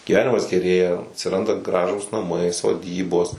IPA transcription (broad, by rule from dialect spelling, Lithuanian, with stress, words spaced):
ɡʲiːˈʋʲæːnʲɪmɐs ɡʲɛˈrʲeːjɛ ɐtʲsʲɪˈrɐndɐ ˈɡrɑːʒuːs nɐˈmɐɪ soːˈdʲiːboːs